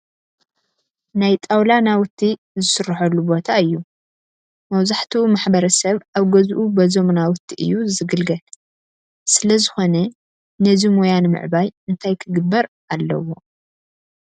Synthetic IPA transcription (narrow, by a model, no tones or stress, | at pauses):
najt̪ʼawlanawʊt̪ʰːi | zɨsɨɾːɐħɐlːubo̞t̪ʰaɨjːu | mɐwzaħt̪ʰimaħbɐɾɐsɐβʔaβɡɐzʔubɐzomnawʊt̪ʰːiʔɨ̰jːuzɨɡɨlɡɐl | sɨlɐzɨxo̞nɐ | nɐzimojanmɨ̰ʕbajɨnt̪ʰajkʰɨɡɨbːɐɾ | ʔalːɐ̰wo̞